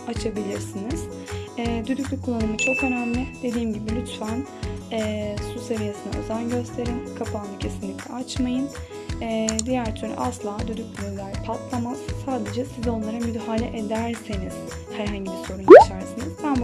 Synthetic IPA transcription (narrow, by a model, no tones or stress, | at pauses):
at͡ʃʰabilʲiɾsiniz̥ | ɛːd̪yd̪ycʲlʲykʰulˠːanɯmɯt͡ʃʰo̞kanamlʲˠɯd̪̥e̞d̪iːmɟibilʲyt̪fan | ɛːsuse̞vijesɯna̰ø̞̰zænɟø̞st̪ʰe̞ɾinkʰapʰanɯcʰe̞sinlʲicʲlʲɛ̰at͡ʃmajɯn | ɛd̪ijæɾt̪ʰyɾny̰ʔaslˠaːd̪yd̪yc̚lʲyylʲæɾpʰat̪lˠamaz̥saːd̪e̞d͡ʒɛsizo̞nlˠaɾamyd̪halʲɛ̰ʔe̞d̪æɾseniz̥ | hæɾɦaɲɟibiɾso̞ɾunuit͡ʃʰæɾsiniz̥t̪ʰæm